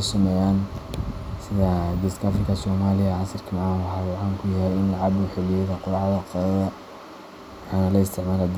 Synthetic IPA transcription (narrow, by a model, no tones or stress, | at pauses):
sʊmɛjaːn | sɪðɐd̪iskafrɪkʰɐsɔːmaːlɪjɐʕɑsɐrkʰɐmɑʕɑːnwɑħɑːwɑʕɑːŋkʰʊjɐɦɛjɪnlɑʕɑbʊħɪlɪjɛðɐqʊlʕðɐqɑðɐðɐ | wɑħɑːnɐlɐɪst̪ʰɪʕmaːlɛd̪